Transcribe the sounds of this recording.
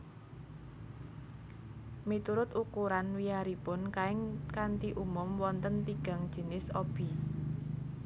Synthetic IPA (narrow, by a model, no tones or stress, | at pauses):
mit̪uɾʊt̪ukuɾanwiaɾipʊnkaɪŋkant̪iʔumʊmwɔnt̪ənt̪iɡ̥a̤ŋd̥ʒ̥ə̤nɪsob̥i̤